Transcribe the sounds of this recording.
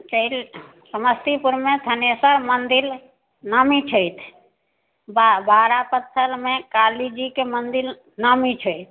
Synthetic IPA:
t͡ʃəil | səməst̪ipuɾmet̪ʰənesəɾmənd̪il | nəmit͡ʃʰəjt̪ʰ | bbaɾapət̪ʰːəlmekalid͡ʒikemənd̪il | nəmit͡ʃʰəjt̪̚ʰ

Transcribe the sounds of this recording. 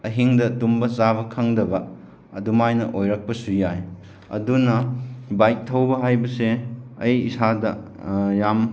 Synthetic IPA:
ɐɦiŋdɐtumbɐsabɐkʰɐŋdɐbɐ | ɐdumajnɐʔojɾɐk̚pɐsujaj | ɐ̰dunɐbaj̚tʰːɐwbɐɦajbɐseɐjisadɐ | jam

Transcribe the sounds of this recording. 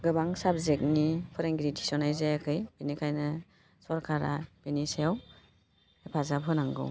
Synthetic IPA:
ɡɯbaŋsabzek̚nipʰɔɾeŋɡɾidisɔnajzajakʰɯjb̥enikʰajnɯ | sɔɾkʰaɾa̰benisejaw | epʰazabʰɯnaŋɡɯ̰w

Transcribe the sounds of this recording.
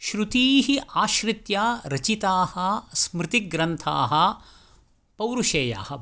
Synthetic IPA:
ʃɾut̪iːɦiʔaːʃɾɪt̪jaːɾɐt͡ʃit̪aːhɐsmɾɪt̪iɡɾɐnt̪ʰa̰ːɦɐ̆ | pɐwɾuʃeːja̰ːhɐ

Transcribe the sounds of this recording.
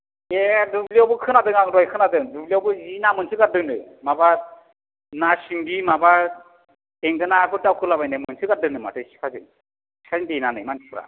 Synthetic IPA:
edubliawbɯkʰɯnadɯŋaŋɾɔjkʰɯnadɯŋdubliawbɯzinamɯnsʰɯkadɯnɯ | maba | nasiŋɡimaba | eŋɡɯnakɯtawkʰɯlabajnemɯnsʰɯkadɯnɯma̰tɯsi̥kʰazɯ̰ŋ | i̥kʰaindejnanɯjmani̥pʰɾa̰

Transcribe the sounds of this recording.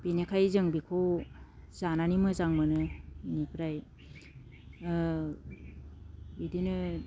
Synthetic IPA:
benekʰajzɯŋbikʰow | zananimɯzaŋmɯnɯnipʰɾaj | bidinɯ

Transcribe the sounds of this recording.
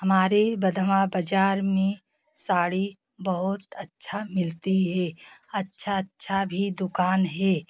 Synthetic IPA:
ɦɐmaːɾebəd̪ʱmabəd͡ʒaːɾmẽ | saːɽi | bəɦʊt̪ətːʃʰamɪlt̪iɦɛːɐtːʃʰatːʃʰabʱid̪ʊkaːnɦɛː

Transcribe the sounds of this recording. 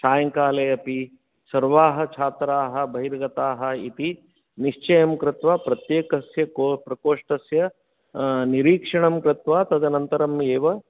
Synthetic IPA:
ʃaːjɐŋkaːlɐjɐpi | sɐɾʋaːɦɐ̆t͡ʃʰaːt̪ɾaːɦɐ̆bʱɐɦiɾɡɐt̪aːɦɐ̆it̪i | niʂt͡ʃɐjɐmkɾɪt̪ʋaːpɾɐt̪jeːkɐsjɐkopɾɐkoːʂʈɐsjɐ | niɾiːkʂɐɳɐmkɾɪt̪ʋaːt̪ɐd̪ɐnɐnt̪ɐɾɐmeːʋɐ

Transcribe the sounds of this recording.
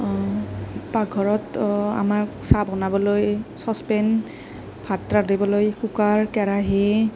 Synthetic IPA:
paɡʱɔɹɔta̰maɹsabɔnabɔlojsɔspɛn | pʰatɹadibɔlojkukaɹkɛɹaɦi

